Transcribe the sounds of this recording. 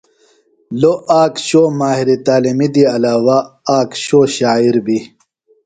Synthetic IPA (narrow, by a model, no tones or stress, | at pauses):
loaːkɕoːmaːɦiɾit̪aːlimid̪iɐlaːwaaːkɕoːɕaːiɾbi